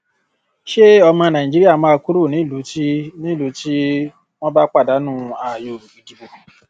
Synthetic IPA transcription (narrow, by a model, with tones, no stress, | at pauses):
ʃe˦ɔ˧mɔ̃˧nã˨ĩ˨d͡ʒi˦ɾi˦a˦˨mã˦˧ku˦ɾu˦˨nĩ˨˦˨lu˨˦ti˦nĩ˦˨lu˨˦ti˦ | w̃ɔ̃˦ba˦k͡pa˦˨da˨˦nũ˦a˨jo˧˨ɾu˨bi˨˦di˨˦bo˧˨